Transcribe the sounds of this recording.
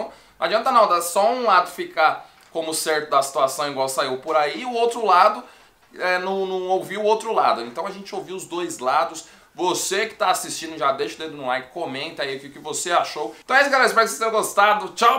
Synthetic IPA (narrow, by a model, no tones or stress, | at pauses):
ɐ̃w̃ | ad͡ʒiɐ̃nt̪ɐnãwd̪asɔũlad̪ʊfika | kõmʊsɛɾt̪ʊd̪ɐsi̥t̪uasɐ̃w̃iɡwawsaiwpoɾaiʊowt̪ɾʊlad̪ʊ | ɛnɐ̃nɐ̃owviʊowt̪ɾʊla̰d̪ʊẽnt̪ɐ̃w̃ɐʒẽnt͡ʃɪowviʊzd̪ojzlad̪ʊs | vosekɪ̥t̪aasist͡ʃĩd̪ʊʒad̪ejʃʊd̪ẽd̪ʊnʊ̃lajkɪ̥komẽnt̪ɐaifʊkɪvoseaʃow̃t̪ɐ̃w̃esɪɡalɛspɛsest̪ẽɾ̃ɡost̪ad̪ʊt͡ʃaw